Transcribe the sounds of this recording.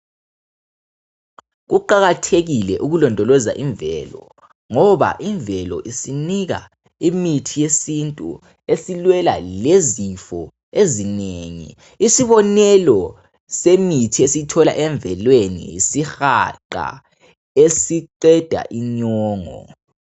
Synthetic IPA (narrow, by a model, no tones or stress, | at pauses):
ɣuǃaɣatʰeɣilɛʔuɣulɔndʱɔlɔza̰ʔiɱbvɛlɔ | ŋɔβa̰ʔiɱvɛlɔ̰ʔisiniɣa̰ | imitʰijesintʼṵ | esilwɛla̰lezifɔ | ezineŋḭː | siβɔnɛlɔ | semitʰiesitʰɔla̰ʔɛɱvɛlwenḭːsixaǃa̰ | esiǃɛd̥ʱa̰ʔiɲɔːŋɔ̰